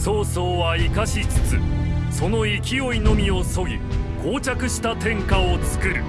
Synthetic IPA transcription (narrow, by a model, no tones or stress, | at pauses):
so̞ːso̞ːβaikaɕit͡sɨ̥t͡sɨso̞no̞ikʲio̞ino̞mʲio̞so̞ɡʲikʰo̞ːt͡ɕakɯ̟ɕi̥t̪at̪ẽ̞ŋkao̞t͡sɨ̥kɯ̟ɾɯ̟̰